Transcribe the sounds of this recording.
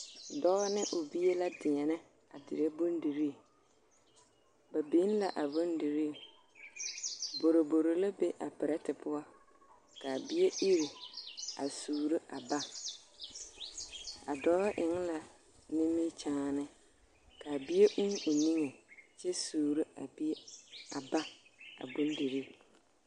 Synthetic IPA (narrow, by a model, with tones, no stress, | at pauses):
dɔ˦ɣa˦nɪ˦ʔʊ˨bi˦e˦la˦dɪ˨ɛ˨nɪ˦ | a˨dɪ˨ɾe˦bʊ˦ndi˨ɾi˦˨ | ba˨bi˨˦n˦la˨ʔa˨bo˦ndi˨ɾi˦˨ | bo˨ɾo˨bo˨ɾo˨la˦be˦ʔa˨pɪ˨ɾɛ˦tɪ˨pʊ˦ɔ˦ | ka˨bɪ˦e˦ɪ˦ɾʊ˨a˨suː˨ɾi˦ʔa˨ba˦ | a̰˨dɔ˦ɾa˦ʔɪ˨ŋ˦la˨ | nɪ˦mi˦t͡ʃaː˦˨nɨ˦ | ka˨bɪ˦e˦ʔʊ˦ʊ˨ni˦ŋe˨t͡ʃɛ˦suː˨ɾi˦a˨ba˨ba˦a̰˨bʊ˦ndi˨ɾi˦˨